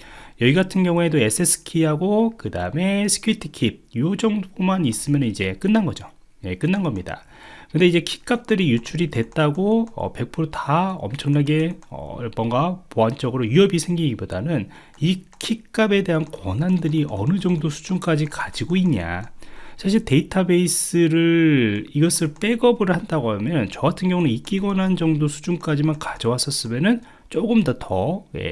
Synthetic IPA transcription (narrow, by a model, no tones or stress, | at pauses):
jʌiɡatʰɯnɡjʌŋue̞doe̞s͈ʰesʰɯ̥kʰiɦaɡokɯdaɯme̞sʰɯ̥kʰjuitʰɯ̥kʰip̚jod͡ʑʌŋpomanis͈ɯmjʌnnid͡ʑe̞k͈ɯnːanɡʌd͡ʑo | je̞k͈ɯnːanɡʌmɲida̰ | kɯnde̞id͡ʑe̞kʰi̥k͈ap̚t͈ɯɾijut͡ɕʰuɾidwe̞t͈aɡoʌ̰pe̞k̚pʰuɾotaʌ̰mt͡ɕʰʌŋnaɡe̞ʌ̰mʌŋɡapoɦant͡ɕ͈ʌɡɯɾojuʌbisʰeŋɡiiɡibodanɯn | i | kʰik͈abe̞de̞ɦankwʌnandɯɾiʔʌ̰nɯd͡ʑʌŋdosʰu̥d͡ʑunk͈ad͡ʑikad͡ʑiɡoiɲːa̰sʰaɕ̬ʰiɭte̞itʰabe̞is͈ɯɾɯɭiɡʌsʰɯɭp͈e̞ɡʌbɯɭhandaɡoɦamjʌnt͡ɕʌɡatʰɯnɡjʌŋunɯik͈iɡʌnɦand͡ʑʌŋdosʰu̥d͡ʑunk͈ad͡ʑimankad͡ʑʌwas͈ʰʌs͈ɯmenɯn | t͡ɕ͈oɡɯmdʌtʰʌjḛ